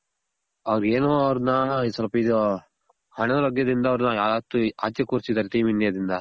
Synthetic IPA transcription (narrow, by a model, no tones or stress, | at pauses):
ɐʋɐɾɡeːnoːɐʋɐɾunɐsɐlɐpɐid̪o | hɐɳɐɐɾɐɡjɐd̪ind̪ɐːʋɾnɐjaːd̪aːt̪ua̰ːt̪jɐkuːɾsid̪aːɾeʈiːminːijɐd̪ind̪ɐ